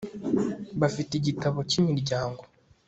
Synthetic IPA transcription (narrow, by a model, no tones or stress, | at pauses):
βafiteɟitaβo̞cimiɾɟaːŋɡo̞